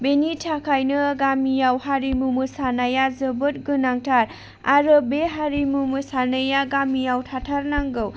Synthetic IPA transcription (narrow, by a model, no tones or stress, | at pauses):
benitʰakʰajnɯɡamijawhaɾimumɯsanajazɯbɯt̚ɡɯnaŋtʰaɾ | a̰ɾɯbeɦaɾimumɯsanajaɡamijawtʰatʰaɾnaŋɡɯw